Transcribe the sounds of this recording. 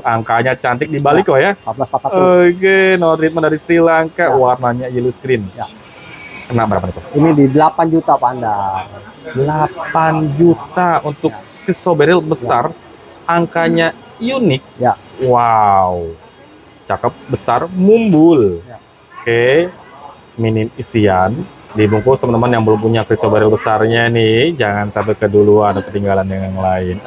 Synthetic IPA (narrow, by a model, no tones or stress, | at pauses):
aŋkaɲat͡ʃant̪ɪk̚dibalikojaabasasaəɡenoat̪ɾit̪̚mandaɾisəɾilaŋkawarnaɲajiluskɾɪnj | kənabəɾla̰pand͡ʒut̪ainididəlapand͡ʒut̪apandardəlapand͡ʒut̪aunt̪ʊː | əsobeɾɪlbəsar | aŋkaɲa | junɪk̚jwau | t͡ʃakəp̚bəsarmumbʊl | ke | minɪnisian | dibuŋkust̪əmənt̪əmanjaŋbəlʊmpuɲakɾisobeɾɪlbəsarɲanɪhd͡ʒaŋansamp̬ɛkəduluandakət̪iŋɡalanjaŋjaŋlaɪn